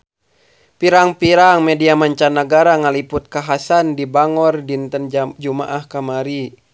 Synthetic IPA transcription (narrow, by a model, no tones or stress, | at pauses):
piɾaŋpiɾaŋmɛdiamaɲt͡ʃanaɡaɾaŋaliput̪̚kaɦasandibaŋɔrdint̪ənd͡ʒuma̰ʔahkamaɾi